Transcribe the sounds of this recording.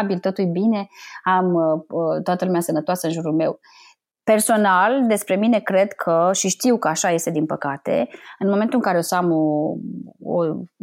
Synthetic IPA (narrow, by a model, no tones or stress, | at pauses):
bilt̪o̞t̪ujbine̞amət̪oat̪əlumeasənət̪oasəɨnʒuɾulme̞w | pe̞rso̞nald̪e̞spɾe̞mine̞kɾe̞d̪kʰəʃiʃt̪iwkəaʃaje̞st̪e̞d̪inpəkat̪e̞̰ɨnmoment̪ulɨŋkaɾeosamo | o̰